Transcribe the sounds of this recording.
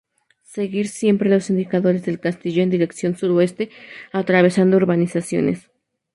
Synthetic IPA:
se̞ɣiɾsje̞mpɾe̞lo̞sind̪ikaðo̞ɾe̞zðe̞lkast̪iʝo̞e̞nd̪iɾe̞ksjo̞nsuɾo̞e̞st̪e̞at̪ɾaβ̞e̞sand̪ooɾβanisasjo̞̰ne̞̰s

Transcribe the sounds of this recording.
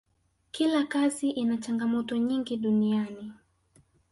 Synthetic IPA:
kilakaziʔinat͡ʃaŋɡamɔtɔɲiŋɡiɗuniani

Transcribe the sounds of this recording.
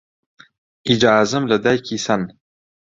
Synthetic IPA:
ʔid͡ʒaːzɨmlɐd̪ajkʰisan

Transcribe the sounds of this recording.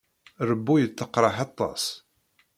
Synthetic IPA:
ɾəbːujət͡sːəqːɾˤɑħɑt̪ˤːɑ̰s

